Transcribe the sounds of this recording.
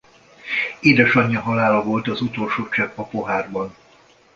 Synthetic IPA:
eːd̪ɛʃɒɲːɒɦɒlaːlɒvo̞lt̪ɒzut̪o̞lʃoːt͡ʃɛpɒpo̞ɦaːrbɒn

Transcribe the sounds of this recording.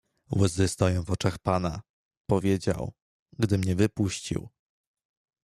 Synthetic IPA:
wɘzɘst̪ɔjɔ̃w̃vɔt͡ʂaxpana | pɔvʲjed͡ʑa̰w | ɡd̪ɘmɲɛvɘpuɕt͡ɕḭw

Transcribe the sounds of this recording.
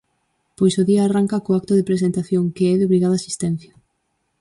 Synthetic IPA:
pojsoðiaːraŋkakoak̚t̪oðepɾesent̪aθjoŋkeɛðɪoβɾiɣaðasi̥st̪ɛn̟θjɐ

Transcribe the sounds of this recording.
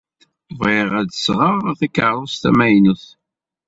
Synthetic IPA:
veʁæd̪sʁəʁθikːəʕɾˤost̪æ̰mæjnuθ

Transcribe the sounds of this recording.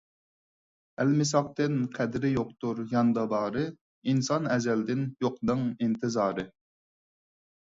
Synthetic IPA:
ɛlmɪsɑq̚t̪ɨnqʰɛd̪ɾɪjoq̚t̪uɾjɑnd̪ɑb̪ɑːɾɨ | insɑnɛzɛld̪ɪnjoqnɨŋint̪ʰɨzɑːɾɨ

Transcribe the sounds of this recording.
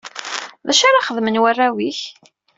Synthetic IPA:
ðæʃaɾaχəðmənwærːæwiç

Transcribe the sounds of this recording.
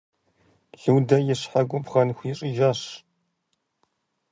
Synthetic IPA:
ɮɨwdɐjɪɕħaɡʷʊpχɐnxʷjɪɕʼɪʒaɕ

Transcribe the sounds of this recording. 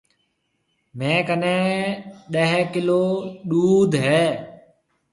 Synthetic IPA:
mẽːkənẽːɗəɦkɪloːɗuːd̪ʱɦɛː

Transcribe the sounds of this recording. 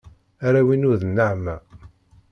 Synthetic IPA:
aɾæwinʊðnːəʕmæ

